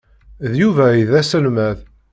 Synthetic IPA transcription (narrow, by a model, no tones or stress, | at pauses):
ðjuvæiðæsəlmæð